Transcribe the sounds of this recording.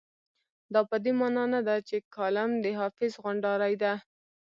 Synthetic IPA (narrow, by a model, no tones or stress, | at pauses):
d̪ɑpəd̪emɑnɑnad̪at͡ʃekʰɑlamd̪əɦɑfɪzɣʊɳɖɑɾajd̪a